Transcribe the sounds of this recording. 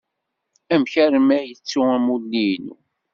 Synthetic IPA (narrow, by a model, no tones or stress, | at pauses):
æmçæɾmæjət͡sːuæmulːinṵ